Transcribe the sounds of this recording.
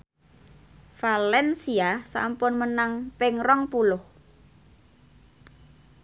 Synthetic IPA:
falɛnsiasa̰mpʊnmənaŋpɪŋrɔŋpulʊh

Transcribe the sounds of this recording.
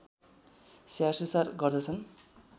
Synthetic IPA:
sjasʌsarɡʌrd̪ʌt͡sʰʌn

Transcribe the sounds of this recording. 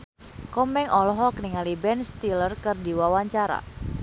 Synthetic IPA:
kɔmɛŋʔɔlɔɦɔk̚niŋalibɛnst̪ilərkərdiwawaɲt͡ʃaɾa̰

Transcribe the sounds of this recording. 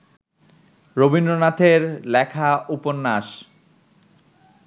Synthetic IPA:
ɾobinːonat̪ʰeɾlɛkʰauponːaʃ

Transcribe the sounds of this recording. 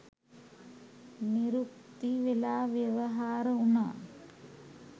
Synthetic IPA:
niɾuk̚t̪iʋelaːʋjɐʋɐɦaːɾəuna̰ː

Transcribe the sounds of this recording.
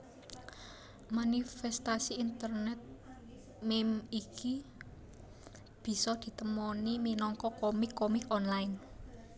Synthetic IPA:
manifɛst̪asiːnt̪ərnɛt̪̚ | mɛmikʰi | b̥i̤sɔd̪̥i̤t̪əmɔniminɔŋkɔkomikːomikɔnlaɪn

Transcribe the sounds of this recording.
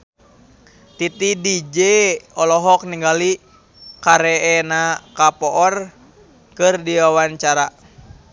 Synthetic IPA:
t̪it̪idid͡ʒɛɔlɔɦɔk̚niŋɡali | kaɾɛɛnakapɔʔɔr | kɨrdiwawaɲt͡ʃaɾa

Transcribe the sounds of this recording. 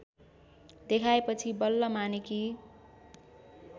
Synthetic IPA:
d̪ekʰaepʌt͡sʰibʌlːʌmaniki

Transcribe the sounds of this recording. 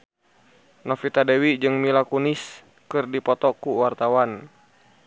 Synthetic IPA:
nɔfit̪adɛwid͡ʒɨŋmilakunis | kɨrdipɔt̪ɔkuwart̪awan

